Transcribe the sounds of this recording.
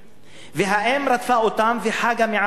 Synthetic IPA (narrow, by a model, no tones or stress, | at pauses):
veɦaʔemɾat̪faʔot̪amveħaɡameʕa